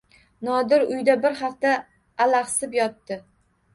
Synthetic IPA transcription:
nɒd̪ɪɾʊjd̪abɪɾχaft̪aː | laqsɪpjɒt̪ːɪ

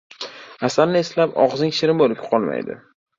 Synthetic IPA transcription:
asalnɪe̞slapɒ̰ʁzɪŋʃɪɾɪmbolɪpʲqʰɒlˠma̰jd̪ɪ̰

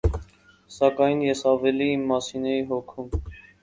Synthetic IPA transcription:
sɑkɑjnjɛsɑvɛliimːɑsinɛiɦɔkʰum

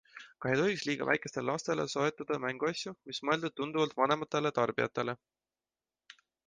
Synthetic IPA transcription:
kɑɦejt̪o̞ɦiksliːɡ̥ɑ̰væ̰jkˑe̞st̪e̞lelɑst̪e̞le̞̰soet̪ːˑɑd̪̥ɑmæŋɡ̥uɑsʲjumismɤe̞ld̪ud̪̚t̪und̪̥uvɑlt̪ˑvɑne̞mɑt̪ːˑe̞le̞t̪ɑrb̥iɑ̰t̪ːˑe̞le̞

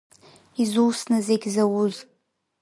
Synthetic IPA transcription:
izuwsnɨzeɡʲzawuz

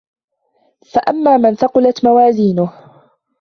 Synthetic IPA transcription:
faʔamːaːmanθɑqʊlat̪mawaːziːnʊh

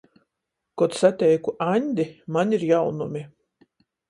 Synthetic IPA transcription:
kɔt̪sat̪ʲɛjkuʔanʲd̪ʲimanʲiɾjawnumʲi

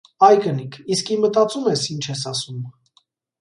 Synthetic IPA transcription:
ɑjkənikʰiskimət̪ɑt͡sumɛsint͡ʃʰɛsɑsum

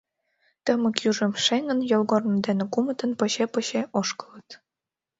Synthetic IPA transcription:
t̪əmə̆kjuʒĕmʃeŋə̆njolɣornɤ̆d̪enĕkumə̆t̪ə̆npɤ̆ɕepɤ̆ɕeʔoʃkɤ̥lə̆t̪

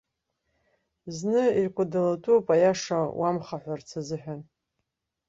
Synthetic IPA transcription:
znɨirkʷʰʼadalatʰʼupʼajaʂawʔamχaħʷart͡sʰazɨħʷᶣan

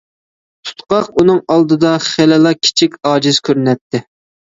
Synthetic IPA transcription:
t̪ʰu̥t̪qɑqunɨŋɑlˠd̪ɨd̪ɑχelɨlˠɑkʲʰi̥t͡ʃʰikʲɑːd͡ʒiz̥kʲʰøɾnɛt̪ʰːɪ

